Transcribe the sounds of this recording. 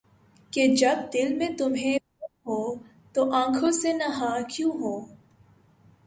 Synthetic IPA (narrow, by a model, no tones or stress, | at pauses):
ked͡ʒɐb̚d̪ɪlmẽt̪ʊmɦẽ | uɦoː | t̪oʔãːkʰosenɐɦakjũɦoː